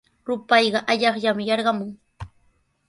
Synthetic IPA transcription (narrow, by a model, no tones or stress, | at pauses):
ɾʊpɑjɢɑʔaʎɑχʎamɪjɑɾɢɑmʊŋ